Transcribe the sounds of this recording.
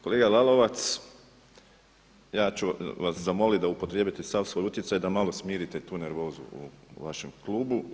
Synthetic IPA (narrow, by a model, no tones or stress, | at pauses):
ko̞leːɡalalˠo̞ʋat̪s | jaːt͡ʃuʋaszamo̞lit̪̚d̪aupot̪ɾjebjit̪esasʋojut̪ʲjet̪sajd̪amalˠo̞smiːɾit̪et̪uːneɾʋo̞ːzṵṵʋaʃe̞mklˠuːbu